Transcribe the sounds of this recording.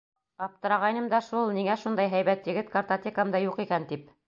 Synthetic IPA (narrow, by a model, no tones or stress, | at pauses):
ɑp̚t̪ɤ̆ɾɑʁɑjnɤmd̪ɑʃulˠniŋæʃund̪ɑjɦæjβæt̪jɘ̆ɡɘt̪kɐrt̪ot̪ʲekmd̪ɑjuqikænt̪ip̚